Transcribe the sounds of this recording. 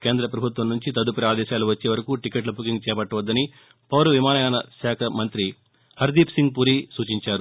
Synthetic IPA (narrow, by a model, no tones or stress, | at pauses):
ke̞ːnd̪ɾɐpɾɐbʱut̪ʋɐmnuɲt͡ʃit̪ɐd̪upɐɾɐaːd̪ɛːʃaːluʋɐt͡ʃːeːʋɐɾɐkuʈikeʈlɐpukiŋɡt͡ʃɛːpɐʈːɐʋɐd̪ːɐni | pɐʋɾɐʋimaːnɐjaːnɐsaːkʰɐmɐnt̪ɾi | hɐɾd̪iːpsiŋɡ̚puɾiːsuːt͡ʃiɲt͡ʃaːɾu